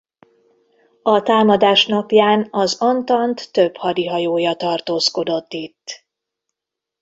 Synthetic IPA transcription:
ɒt̪aːmɒd̪aːʃnɒpjaːnɒzɒnt̪ɒnt̪ːø̞bhɒd̪iɦɒjoːjɒt̪ɒrt̪oːsko̞d̪o̞t̪ːit̪ː

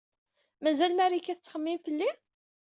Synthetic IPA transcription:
mæzælmæɾikːæθət͡sːχəmːimfəlːi

